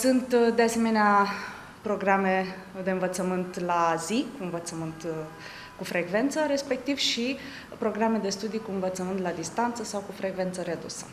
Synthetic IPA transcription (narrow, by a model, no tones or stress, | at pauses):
sunt̪d̪ease̞me̞nea | pɾo̞ɡɾame̞ | d̪e̞ɨnvət̪səmɨnt̪lazikuɨnvət̪səmɨnt̪ | kufɾʔe̞ɡve̞nt̪səɾe̞spe̞k̚t̪iv̥ʃi | pɾo̞ɡɾame̞d̪e̞st̪ud̪ijkuɨnvət̪səmɨnt̪lad̪ist̪ant̪səsawkufɾe̞ɡve̞nt̪səɾe̞d̪ṵsə̥